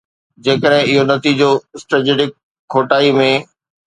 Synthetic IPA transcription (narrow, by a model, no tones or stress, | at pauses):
d͡ʑeːkəɽɦɪ̃ɪɦonɐt̪iːd͡ʑosʈɾəd͡ʑeːɖɪkʰː | oːʈaːimẽ